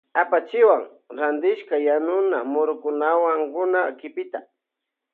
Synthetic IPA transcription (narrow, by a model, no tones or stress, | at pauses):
apat͡ʃɪwaŋ | ɾand̪ɪʃkajanʊnamʊɾʊkʊnawaŋkʊnakɪpɪt̪a